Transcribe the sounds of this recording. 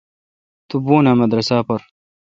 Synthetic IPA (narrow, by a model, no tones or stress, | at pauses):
t̪ʊbːuːnaːmad̪ɾˤɑsaːpɑɾˤ